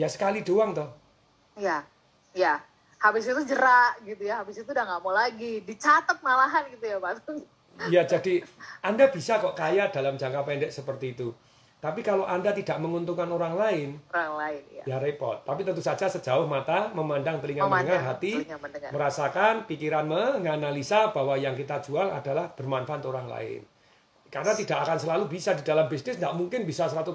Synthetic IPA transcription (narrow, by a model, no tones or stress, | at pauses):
jasə̥kalidoaŋt̪ɔh | ja | ja | habɪsit̪ud͡ʒəɾaʔɡit̪ujaɦabɪsit̪udaŋɡaʔmolaɡidit͡ʃat̪ət̪̚malaɦanɡit̪ujapad̪ | jad͡ʒadiandab̥isakɔʔkajaʔd̥alamd͡ʒaŋkapɛndɛʔsəpərt̪iːt̪u | t̪apikaloʔandat̪idaʔməŋunt̪uŋkanoɾaŋlaɪn | jaɾepɔ̰t̪ːapit̪ənt̪usḁd͡ʒasəd͡ʒaʊhmat̪aməmandaŋt̪əliŋamənəŋarɦat̪iməɾasakanpikiɾanməŋanalisab̥awajaŋkit̪ad͡ʒuala̰dalahb̥ərmanfat̪oɾaŋla̰ɪ̰n | karnat̪idaʔakansəlalubisadida̤lambisnɪsŋɡaʔmuŋkɪnbisasəɾat̪u